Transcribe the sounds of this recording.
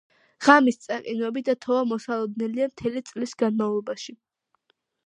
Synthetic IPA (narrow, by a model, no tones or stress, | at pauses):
ʁamist̪sʼaqʼinwɛbid̪at̪ʰɔvamɔsalˠɔd̪nɛliamt̪ʰɛlit̪sʼlisɡanmavlˠɔbaʃi